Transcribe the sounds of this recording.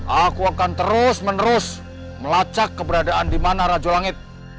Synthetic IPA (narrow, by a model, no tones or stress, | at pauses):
ʔakuakant̪əɾʊsmənəɾʊs | məlat͡ʃakːəbəɾadaʔandimanaɾad͡ʒolaŋɪt̪̚